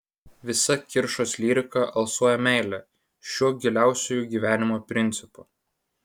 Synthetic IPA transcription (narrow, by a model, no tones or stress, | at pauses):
ʋʲɪsɐkʲɪɾʃosʲlʲiːɾʲɪkɐʔɐlˠsuɔjɛmʲæˑɪlʲɛ | ʃʲuɔɡʲɪlʲæˑʊsʲojuːɡʲiːʋʲæːnʲɪmoːpʲɾʲɪnʲt̪sʲɪpuː